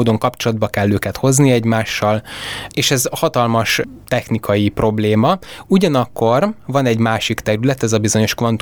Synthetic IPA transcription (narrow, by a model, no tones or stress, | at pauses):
d̪o̞ŋkɒpt͡ʃo̞lɒd̪̚bɒkɛlːøːkɛt̪ho̞zniɛɟmaːʃːɒleːʃɛzhɒt̪ɒlmɒʃt̪ɛxnikʰɒjipro̞bleːmɒuɟɒnɒkːo̞rvɒnɛɟmaːʃikt̪ɛɾylɛt̪ɛzɒbizo̞ɲo̞ʃkvɒnt̪